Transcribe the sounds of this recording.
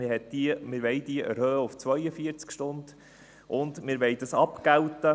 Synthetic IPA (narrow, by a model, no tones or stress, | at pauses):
ɪhɛtd̥imɪɾʋɛɪd̥̪iəʔɛɾhœːəʊft͡sʋœjəfiəɾt͡skʃtʊnd̪ | ʔʊnd̪mɪɾʋɛɪd̥̪əsɑpkælt̪ə